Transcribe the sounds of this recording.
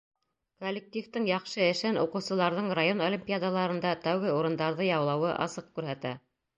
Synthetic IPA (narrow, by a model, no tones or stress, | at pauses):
kolʲːɪk̚t̪ʲift̪ɤŋjɑqʃɤɘ̆ʃɘnuqɤ̆wsɤ̆lˠɑɾðɤɴrajonolʲimʲpʲijad̪alˠɑɾɤ̆nd̪ɑt̪æwɡɘuɾɤ̆nd̪ɑɾðɤjɑwlˠɑwɤʔɑ̰sɤq̚kʉɾɦæt̪æ